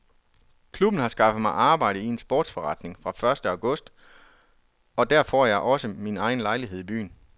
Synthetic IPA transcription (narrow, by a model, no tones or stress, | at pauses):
kʰlub̥n̩hɑ̈sɡ̥ɑ̈fð̩ˠmɑ̈ɪʔɑ̈ːb̥ɑ̈ɪɾ̥əie̝nsb̥ɔ̰ːd̥sfɒʁɑ̈d̥ne̝ŋfʁɑ̈fɶɐsd̥əɑ̈ʊɡ̥ɔ̽sd̥ | ɒ̽d̥æɐ̰fɒːjɑ̈ɪʔɒ̽səminɑ̈ɪn̩lɑ̈ɪliɦe̝ð̰ˠib̥y̰ːn